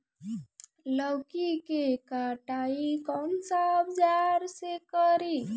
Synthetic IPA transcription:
ləwkikekaʈaikɔwnsabd͡ʒaɾsekəɾi

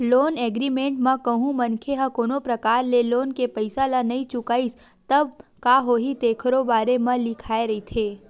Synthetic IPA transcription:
loːnɛːɡɾimẽːɳʈmɐ̃kɐɦũmɐnkʰeɦɐ̃koːnopɾɐkaːɾleloːnkepɐɪsalanɐĩt͡ʃʊkaːis | t̪ɐb̚kaːɦoːɦit̪eːkʰəɾobaːɾemɐ̃lɪkʰaːeɾɐɦit̪ʰeː

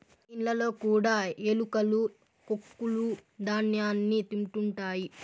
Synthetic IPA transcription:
inlɐlo̞ːkuːɽaːelukɐlu | kokːulud̪ʱaːnjaːnːit̪imʈuɳʈaːji

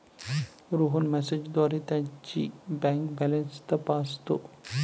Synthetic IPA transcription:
ɾoɦonmɛsed͡ʑd̪ʋaɾet̪jat͡ɕḭbɛ̃ŋkbɛlenst̪əpast̪o

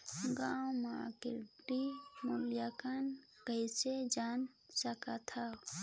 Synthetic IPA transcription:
ɡãwmakɪ̰ɾʈimuljakankəised͡ʒaːn | səkat̪ʰa

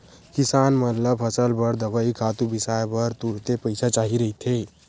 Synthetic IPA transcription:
kisanmət̪ləbpʰəsəlbəɾd̪əbəikʰat̪ubisaebəɾt̪uɽt̪epəɪsʰat͡ʃaɦiɾəɦit̪ʰe

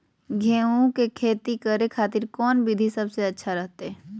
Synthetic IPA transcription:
ɡʱeːũkekʰeːt̪ikəɾekʰaːt̪ɪɾkɔːnbid̪ʱisɐbseɐtːʃʰaɾəɦt̪eɛː

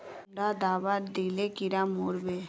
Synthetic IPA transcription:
ɳɖad̪aːʋad̪iːlekiɾamoːɾbe

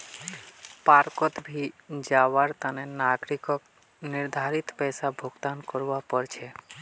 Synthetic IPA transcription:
paɾkɔt̪bʱid͡ʒaʋaɾt̪anenaɡɾikɔk | nɪɾd̪ʱaɾit̪pɛːsabʱoɡt̪ankɔɾʋapəɾt͡ʃʰe

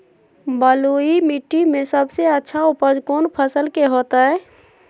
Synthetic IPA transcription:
bəloimiʈːimẽsəbseətːʃʰaʊpəd͡ʒkoːnpʰəsəlkeɦoːt̪aɦɛː

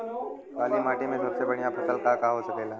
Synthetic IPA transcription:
kaːlimaːʈimẽd̪ʱoːɾsebɐɽijapətəlkakaɦosəkeːla

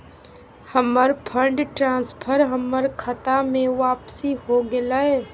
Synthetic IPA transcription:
həməɾpʰə̃ɳɖʈɾãːspʰəɾɦəməɾkʰət̪amẽʋaːpsiɦoɡɪlaɛː

